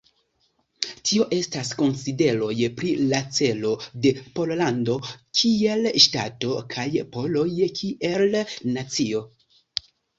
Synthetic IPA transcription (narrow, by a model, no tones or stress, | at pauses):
tʰio̞ʔe̞stasko̞nside̞ɾo̞jpɾilat͡se̞lo̞de̞po̞llando̞kʰie̞lʃta̰to̞kʰajpo̞lo̞jkʰiʔelnat͡sio̞